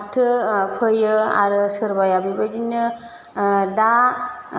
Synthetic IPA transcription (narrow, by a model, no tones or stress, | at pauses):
tʰɯpʰɯjɯa̰ɾɯsɯɾbajabibad͡ʒinːɯ | da